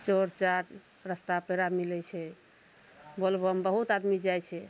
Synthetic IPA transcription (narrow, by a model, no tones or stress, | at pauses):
t͡ʃoɾt͡ʃaɾ | ɾəst̪apeɾamilɛt͡ʃʰɛ | bolbəmbəɦut̪ad̪mid͡ʒajt͡ʃʰɛ